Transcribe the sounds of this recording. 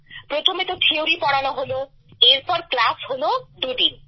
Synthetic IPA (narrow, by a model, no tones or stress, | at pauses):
pɾot̪ʰomet̪oʈ̪ʰeoɾipɔɽanɔɦolo | eɾpɔɾklasɦolod̪uɖin